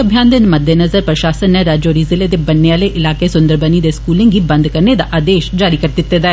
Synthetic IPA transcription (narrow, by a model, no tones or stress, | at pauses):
əbʱjaːnd̪ɪnməd̪ʱenəzəɾpɾəʃaːsənːeɾaːd͡ʒoːɾiːzɪleːd̪eːbənːeaːleʔɪlaːkesʊ̃nd̪əɾbəniːd̪eːskuːlɪ̃ŋɡiːbə̃nd̪kəɾned̪a̰ʔaːd̪eːʃd͡ʒaːɾiːkəɾd̪ɪt̪ːed̪aɛ